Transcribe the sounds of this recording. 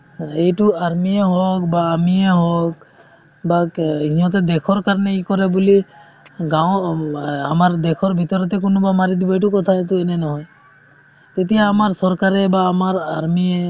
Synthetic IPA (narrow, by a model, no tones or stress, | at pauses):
ejʈuaɾmieɦɔk̚baːmieɦɔk̚ | baɦĩɦɔt̪̬ɛd̪ɛkʰɔɾkaɾɔneikɔɾɛbuli | ɡaw | a̰maɾd̪ɛkʰɔɾbʱit̪ɔɾɔt̪ɛk̬unobamaɾid̪ibɔeʈ̬ukɔt̪ʰaet̪uenɛnɔɦɔj | t̪et̪ijaːmaɾsɔɾkaɾɛbaːmaɾaɾmie